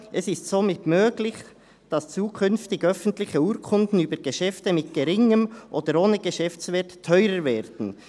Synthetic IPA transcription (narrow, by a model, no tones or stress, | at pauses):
ʔɛsɪstsoːmɪtmøːɡlɪç | d̥ɑst͡suːkʰʏnftɪɡœfn̩tlɪçəuːɾkʰʊndn̩yːbəɡeʃɛftəmɪt̚ɡ̥ɛɾɪŋəmʔoːd̥əɾoːnəɡəʃɛft͡svɛttʰːœʏɾəɾvɛːɾd̥n̩